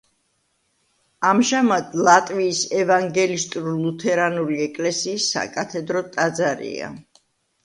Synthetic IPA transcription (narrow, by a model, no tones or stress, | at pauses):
amʒamad̪lˠat̪ʼviːsɛvaŋɡɛlist̪ʼuulut̪ʰɛɾanuliɛkʼlɛsiːsːa̰kʼat̪ʰɛd̪ɾɔt̪ʼad̪zaɾḭa̰